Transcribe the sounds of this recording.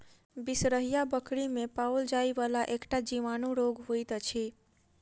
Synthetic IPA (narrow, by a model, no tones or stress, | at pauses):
bisɾəɦijabəkɽimepauld͡ʒaiʋalaʔekʈad͡ʒiʋanuɾoɡɦojt̪ət͡ʃʰi